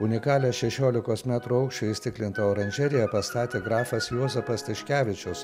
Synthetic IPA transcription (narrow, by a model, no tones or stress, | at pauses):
ʊnʲɪkɑːlʲɛʃʲɛʃʲoːlʲɪkoːsmʲæːt̪ɾuːɐʊkʃʲt͡ʃʲɛɪsʲt̪ʲɪklʲɪnt̪ooːɾɐnʲd͡ʒʲɛɾʲɪjɛpɐst̪ɑːt̪ʲeːɡɾɑːfɐsjuɔzʲɛpɐst̪ɐʃʲkʲæːʋʲɪt͡ʃʲʊs